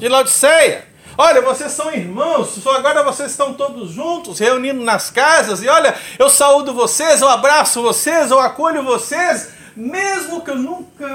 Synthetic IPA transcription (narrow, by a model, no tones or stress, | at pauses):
d͡ʒɪlad͡ʒ̪ɪsɛjɐ̰ | ɔʎɐvosesːɐ̃w̃iɾmɐ̃w̃ssoaɡɔɾɐvosezɪst̪ɐ̃w̃t̪od̪ʊzʒũnt̪ʊsheunĩnd̪ʊnɐskazɐzɪɔʎɐewsaud̪ʊvosezewabɾasʊvosezewakoʎʊvoses | mezmʊkɪewnũkɐ